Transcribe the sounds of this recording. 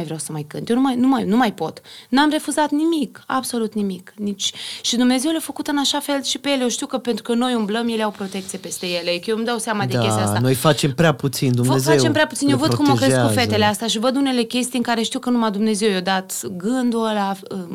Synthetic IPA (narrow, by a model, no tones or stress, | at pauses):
jvɾeawsəmajkɨ̰nt̪jenumajnumajnumajpo̞t̪namre̞fuzat̪nimikabso̞lut̪nimiknit͡ʃʲʃid̪umne̞ze̞wlefəkut̪ɨnaʃafe̞lʃipejeljewʃt̪iwkəpent̪ɾukəno̞jumbləmjeleawpɾo̞t̪e̞kt̪siepe̞st̪e̞je̞lekjemd̪awseamad̪ekest̪ast̪anojfat͡ʃe̞mpɾeaput̪sind̪umnezfaet͡ʃe̞mpɾeaput̪injewvəd̪kumokɾeskufet̪e̞least̪eaʃivəd̪une̞le̞kʲe̞st̪ijɨŋkaɾe̞ʃt̪iwkənumad̪umne̞ze̞wjod̪at̪ɡɨnd̪ulaə